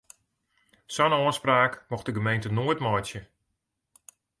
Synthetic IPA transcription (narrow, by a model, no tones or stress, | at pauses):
sɔnoəspraːkmɔxdəɡəmejntənoətmɔjtjə